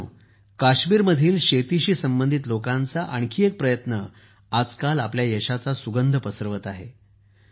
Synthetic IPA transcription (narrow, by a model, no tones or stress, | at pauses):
ṵː | kaɕmiːɾməd̪ʱiːlɕet̪iɕiːsəmbənd̪ʱit̪lokãnt͡saʔəɳ̃kʰiːek̚pɾəjət̪nə | ad͡zkalapljajəɕat͡sasuɡənd̪ʱəpəsəɾʋət̪aɦe